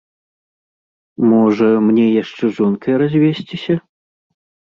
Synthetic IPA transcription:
mɔʐɐmnʲɛjaʂt͡ʂɛʐɔnkʰɐjɾazʲvʲesʲt͡sʲisʲɐ

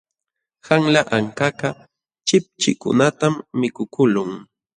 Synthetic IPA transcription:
haŋlaʔaŋkakɑ | t͡ʃɪp̚t͡ʃɪ̰kʊ̰nat̪amːɪkʊkʊlʊŋ

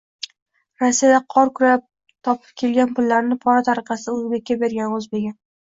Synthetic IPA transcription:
ɾasːijad̪aqʰɒɾkʰʊɾap̚ | t̪ʰɒpʰɪ̥p̚kʲʰe̞lɡʲanpʊlːaɾnɪpʰɒɾat̪ʰaɾɨqʰɑsɪɵzbe̞kʲːabe̞ɾɡʲanɵzbe̞ɡʲɪ

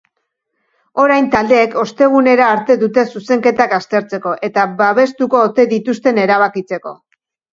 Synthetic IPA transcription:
o̞ɾajnt̪ald̪e̞ːko̞st̪e̞ɣ̞une̞ɾaːɾt̪e̞ðut̪e̞suse̞ŋke̞t̪akast̪e̞ɾt͡se̞ko̞ʔe̞t̪aβaβ̞e̞st̪uko̞ːt̪e̞ðit̪ust̪e̞ne̞ɾaβ̞akit͡se̞ko̞̰

